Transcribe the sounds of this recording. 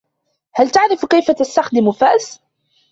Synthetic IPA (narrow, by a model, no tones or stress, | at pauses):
halt̪aʕɾɪfkajfat̪ast̪axd̪ɪmʊfaʔs